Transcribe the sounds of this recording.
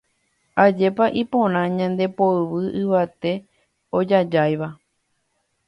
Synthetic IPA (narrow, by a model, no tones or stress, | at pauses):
ad͡ʒe̞paʔipõɾ̃ãɲãnd̪e̞poɨʋɨʔɨʋat̪e̞ | od͡ʒad͡ʒajʋa